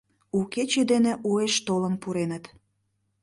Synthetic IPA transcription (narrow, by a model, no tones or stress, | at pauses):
uket͡ɕed̪enĕʔueʃt̪oləmpuɾenə̆t̪